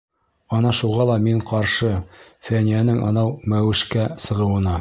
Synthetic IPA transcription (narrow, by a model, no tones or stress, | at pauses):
ɒnɑʃuʁɑlˠɑmiɴqɑɾʃɤ | fænijænɘŋʔɑ̰nɑwmæwɘ̆ʃkæsɤ̆ʁɤ̆wɤ̆nɑ